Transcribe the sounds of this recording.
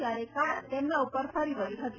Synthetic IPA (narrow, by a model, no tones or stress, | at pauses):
jaɾekaɽt̪emnaupəɾfəɾiʋəɾiɦət̪i